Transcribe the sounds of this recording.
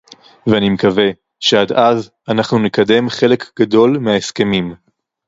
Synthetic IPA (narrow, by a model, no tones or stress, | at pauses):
veanimekave̞ | ʃeadaz | anaχnunekade̞mχe̞le̞kɡ̥ado̞lmeaeske̞mim